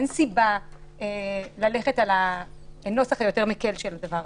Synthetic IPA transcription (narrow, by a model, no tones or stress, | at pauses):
ensibaelale̞χe̞talano̞saχajo̞te̞ʁmekelʃelad̪avaʁ